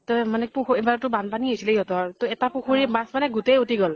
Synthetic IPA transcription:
tɔmanɛpuxuebaɹtʊbanpaniɦojsilɛjɔtɔɹtɔɛtapuxuɹimasmanɛɡutejutiɡɔl

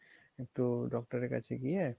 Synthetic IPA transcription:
ek̚tuɖɔk̚ʈaɾeka̰t͡ɕʰeɡie

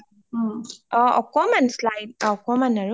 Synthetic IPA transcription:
ɔ̃ɔ̰kɔmanslajdɔkɔmanaɹu

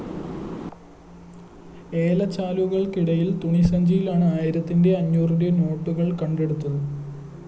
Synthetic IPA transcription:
e̞ːlɐt͡ɕːaːluɣɐɭkiɽɐjilt̪uɳisɐɲd͡ʑijilaːɳɨaːjiɾɐt̪ːinde̞ɐɲːuːriɾeno̞ːʈːuɣɐɭkɐɳɖe̞ɽut̪ːɐðɨ

